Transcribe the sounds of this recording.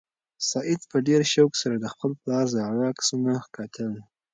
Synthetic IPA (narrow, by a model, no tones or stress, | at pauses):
sɑʔɪd̪pəɖeɾʃawksaɾad̪əxpəlplɑzaɾaksunakat̪ʰəl